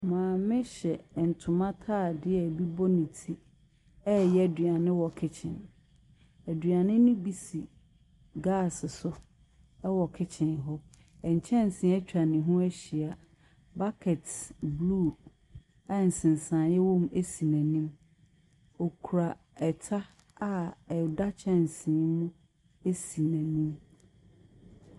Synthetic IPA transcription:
mãː˨mɪ̃˦ɕɛ˨n̩˨tʰʊ̃˨mã˦tʰaː˦˨dɪ˦ɛ˨bi˦bɔ˦nĩ˨tʰi˦ | ɛ˦jɛ˦˨dɥa˨nɪ̃˦wɔ˨kʰɪ˦t͡ɕʰɪ̰̃˨n | æ˨dɥa˨nɪ̃˦nʊ̃˦bi˨si˨ | ɡa˦˨sɪ˨sʊ˦ | ɛ˦wɔ˨kʰɪ˦t͡ɕʰɪ̃˨nɦɔ˦ | ɛ˨ɲ̩˨t͡ɕʰɛ̃˦n̩˨sɪ̃˨˦ɛ˦t͡ɕᶣɾa˨nɪ̃˨ɦũ˦æ˦ɕi˨a˨ | ba˦kʰɛ˨tbluː˦ | a˨n̩˨sɪ̃˨n˨sãː˨jɛ˦wɔ̃˦me˦si˨næ̃˨nĩ˦m | ɔ˨kʰu˨ɾa˨ | ɛ˨tʰa˦ | a˨ɛ˨da˦t͡ɕʰɛ̃˦n˨sĩ˨˦mũ˦ | e˦si˨næ̃˨nĩ˦m

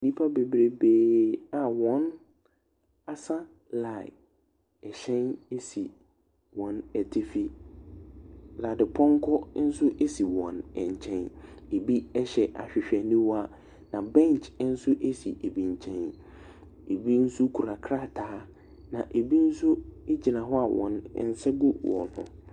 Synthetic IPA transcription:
nĩ˦pʰa˦be˨bɾe˨beː˨a˨wɔ̃˦n | a˨sa˦ | la˨ɪ˨ | ɛ˨ɕɛ̃˦ne˦si˨ | wɔ̃˨nɛ˨tʰɪ˦fi˦ | la˨dɪ˨pʰɔ̃˦ŋ˦kʰɔ˦n̩˦sʊ˦ʔe˦si˨wɔ̰̃˨nɛ̰̃˨ɲ˨t͡ɕʰɛ̃˦ne˨bi˦ɛ˦ɕɛ˨ʔa̰˨ɕᶣɪ˨ɕᶣɛ˨nĩ˦wa˦ | nã˨bɛ̃˦˨n˨t͡ʃn̩˦sʊ˦ʔe˦sḭ˨ʔe˨bĩ˨ɲ˨t͡ɕʰɛ̃˦n | e˨bi˦n̩˦su˦kʰu˨ɾa˨kʰɾa˦˨tʰaː˨˦ | nã̰˨ʔe˨bi˦n̩˦sʊ˦e˦d͡ʑi˨nã˨ɦɔ˦a˨wʔɔ̰̃˨n̰˨n̩˦sɛ˦ɡʊ˦wɔ̰̃˨nhʊ̰̃˨

